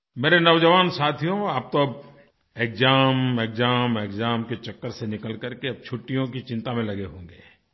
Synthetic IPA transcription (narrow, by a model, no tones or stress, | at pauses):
meːɾenɐʋd͡ʒəʋaːnsaːt̪ʰijõaːp̚t̪oɐb | eːkzaːmeːkzaːmeːkzaːmket͡ʃɐkːəɾsenɪkəlkɐɾkeɐb̚t͡ʃʰʊʈːijõk̬it͡ʃɪ̃nt̪amẽlɐɡeɦõːŋɡḛː